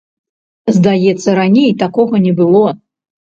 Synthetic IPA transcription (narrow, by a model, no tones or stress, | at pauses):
zd̪ajɛt̪sːɐɾanʲejt̪akɔɣɐnʲɛbɨlˠɔ